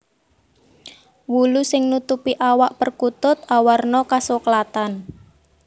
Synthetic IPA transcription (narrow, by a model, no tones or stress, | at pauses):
wulusɪŋnut̪upiʔawaʔpərkut̪ʊt̪̚awarnɔkasokəlat̪an